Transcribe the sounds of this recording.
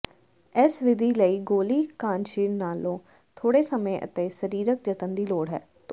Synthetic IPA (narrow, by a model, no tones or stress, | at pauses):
ɪsʋɪd̪ʱiːləiːɡoːliːkãːnʃiːɾnaːlõː | t̪ʰoːɽeːsəmẽːʔə̰t̪eːsəɾiːɾək̚d͡ʒət̪ənd̪iːloːɽɦɛ̰ː | t̪